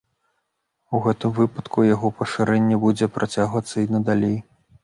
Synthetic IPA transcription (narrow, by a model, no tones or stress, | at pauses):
uɣɛt̪ɨmvɨpɐt̪kʰujaɣɔpɐʂɨɾɛnʲːɛbud͡zʲɛpɾʔat͡sʲaɣvɐt̪sːɐinɐd̪alʲej